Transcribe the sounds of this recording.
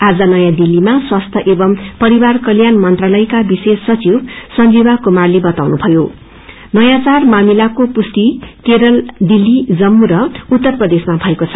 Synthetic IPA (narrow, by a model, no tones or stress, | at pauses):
ad͡zʌnʌjãd̪ilːimaswast̪ʰʌʔebʌmpʌɾibarkʌljanmʌnt̪ralʌjkabisesːʌt͡sibsʌnd͡zibakumarlebʌt̪awnubʱʌjo | nʌjãt͡sarmamilakopust̪ikeɾʌld̪ilːid͡zʌmːuɾʌut̪ːʌrprʌd̪esmabʱʌekot͡sʰʌ̥